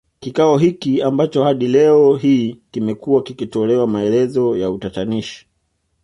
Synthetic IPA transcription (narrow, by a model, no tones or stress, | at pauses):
kikaɔɦikiambat͡ʃɔhaɗilɛɔɦiːkimɛkuwakikitɔlɛwamaɛlɛzɔjautataniʃi̥